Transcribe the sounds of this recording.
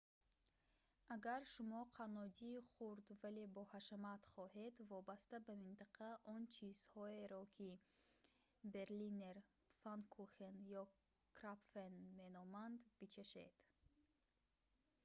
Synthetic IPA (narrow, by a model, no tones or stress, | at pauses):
aɡaɾʃumɔqʰanɔd͡ʒiːχuɾd̪vale̞bɔhaʃamat̪χɔhe̞d̪vɔbast̪abamint̪aqʰaʔɔnt͡ʃʰiz̥hɔe̞ɾɔkʰi | be̞ɾlineɾ | fankʰuχenjɔ | kɾapfenme̞nɔmand̪bit͡ʃʰeʃḛd̪̥